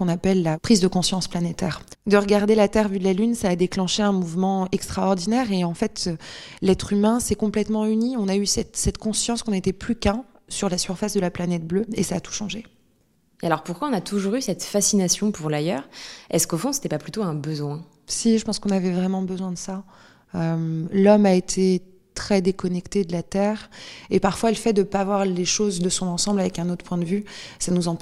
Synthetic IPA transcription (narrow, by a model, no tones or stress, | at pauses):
kɔ̃napɛlːapχizd̪əkɔ̃sjɑ̃splanet̪ɛːʁd̪əʁəɡaʁd̪elat̪ɛʁvyd̪əlalynsaːd̪eklɑ̃ʃeɛ̃muvmɑ̃ɛkst̪χaɔʁd̪inɛʁeɑ̃fɛt̪ølɛt̪χymɛ̃sɛkɔ̃plɛt̪mɑ̃yniɔ̃naysɛt̪sɛt̪kɔ̃sjɑ̃skɔ̃net̪ɛplykɛ̃ | syʁlasyʁfasd̪əlaplanɛt̪̚bløesaːt̪u̥ʃɑ̃ʒe | ealɔʁpuʁkwaɔ̃nat̪ʰuʒuʁysɛt̪fasinasjɔ̃puʁlajœːʁɛskofɔ̃se̥t̪ɛpaplyt̪oɛ̃bəzwɛ̃ | siʒəpɑ̃skɔ̃navɛvʁɛmɑ̃bəzwɛ̃d̪əsa | ømlɔmaet̪ʰe | t̪χɛd̪ekɔnɛkt̪ed̪əlat̪ɛːʁepaʁfwaləfɛt̚d̪əpavwaʁleʃozd̪əsɔ̃nɑ̃sɑ̃blavɛkɛ̃not̪χpwɛ̃d̪əvysanuzɑ̃